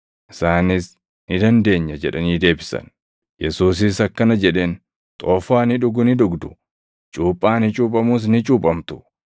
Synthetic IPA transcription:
ʔɪsaːnɪs | nɪd̪ɐnd̪e̞ːɲːɐd͡ʒɛᶑɐniːd̪e̞ːbɪsɐ̰n | jɛsuːs̬ɪsɐkːɐnɐd͡ʒɛᶑeːn | t̪ʼoːfaːnɪᶑʊɡʊnɪᶑ̪ʊɡd̪ʊ | t͡ʃʼuːpʼːaːnɪt͡ʃʼuːp̬ʼɐmuːs̬nɪt͡ʃʼuːpʼɐmt̪ʊ̥

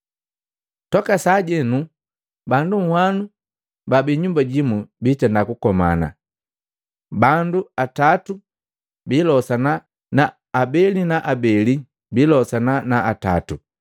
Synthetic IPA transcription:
tɔkasaːɟɛnu | banduŋ̩hwanu | babiɲumbaɟimubitɛndakukɔma̰na̰ | banduatatu | bilɔsana | naː | bɛlinaʔabɛli | bilɔsananaʔata̰tu

